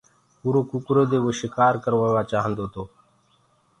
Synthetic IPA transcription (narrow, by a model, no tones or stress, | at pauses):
puːɾoːkukɾoːd̪eːʋoːʃɪkaːɾkəɾʋaːʋaːt͡ʃaːɦənd̪oːt̪oː